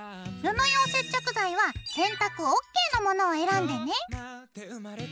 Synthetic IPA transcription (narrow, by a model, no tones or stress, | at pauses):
ɾɯnojoːse̞t͡ɕːo̞kɯ̟zaiβasẽ̞nt̪akɯ̟okːe̞ːno̞mo̞no̞ːe̞ɾãnd̪e̞ne̞